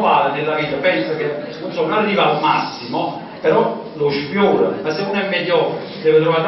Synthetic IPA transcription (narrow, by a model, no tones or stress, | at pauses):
aːlenɪlːaviːt̪apɛnsakenonsɔnonarːivamasːimo | peɾɔ | loʃpjoɔːɾamasːenunɛmːɛʎːɔɾ | d̪ɛːvet̪ɾɔvaːɾ